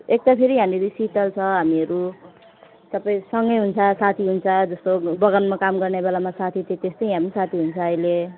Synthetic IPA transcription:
ek̚t̪apʰeɾiɦamiɾisiʈʌlt͡sʰʌɦamiʌɾu | t̪ʌpʌĩsʌŋɡʌjɦunt͡sʰʌsat̪ʰiɦunt͡sʰʌd͡zʌst̪obʌɡʌnmakamɡʌrnebelamasat̪ʰit̪it̪est̪ʌjĩɦamisat̪ʰiɦunt͡sʰʌːile

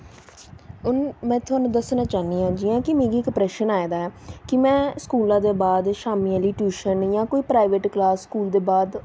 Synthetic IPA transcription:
ʊnmɛ̃ːt̪ʰʊaːnũd̪əsnãːt͡ʃaːniːãːd͡ʒɪãːkɪmẽːɡiːɪkpɾɛːʃənaːed̪aːɛːkɪmɛ̃ːskuːlãːd̪eːbaːd̪ʃaːmialiːʈuːʃənjãːkoːiːpɾaːɪʋeːʈklaːsːkuːld̪eːbaːd̪

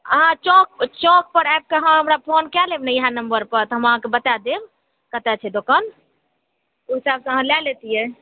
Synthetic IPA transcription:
əɦãt͡ʃɔk̚t͡ʃɔk̚pəɾɛp̚keɦãɦəmɾapʰonkɛlebnɛjɦãnəmbəɾpəɾt̪əɦəmãkebət̪ad̪eb | kət̪ɛt͡ʃʰɛd̪okən | oɦisabsə̃ɦãlɛlet̪ijɛ

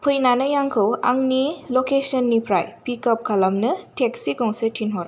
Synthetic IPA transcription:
pʰɯjnanɐjaŋkʰɯwa̰ŋnilɔkesɔnːipʰɾajpikɔp̚kʰalamnɯteksikɔŋsetʰinɦɔɾ

